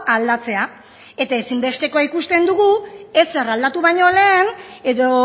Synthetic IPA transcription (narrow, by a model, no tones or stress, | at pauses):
ald̪at͡se̞a | e̞t̪ae̞simbe̞st̪e̞ko̞aikust̪e̞nd̪uɣue̞searald̪at̪uβaɲo̞le̞ːne̞ðo̞